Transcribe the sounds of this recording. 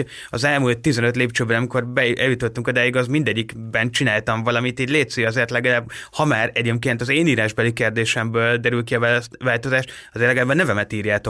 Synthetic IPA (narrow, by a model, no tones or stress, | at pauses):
ɒzɛlmult̪ːizɛnøt̪leːpt͡ʃøːbɛnɒmiko̞rbɛɛjut̪ot̪ːuŋkod̪aːjiɡɒzmind̪ɛɟːikbɛnt͡ʃinaːlt̪ɒɱvɒlɒmit̪iːɟleːt̪søjɒzeːrt̪lɛɡɒlaːbhɒmaːɾɛɟeːmkeːnt̪ɒzeːniːɾaːʒbɛlikeːrd̪eːʃɛmbøːld̪ɛɾylkiɒvaːlt̪o̞zaːʃt̪ɒzeːrtlɛɡɛlaːbɒnɛvɛmɛt̪iːrjaːt̪o̞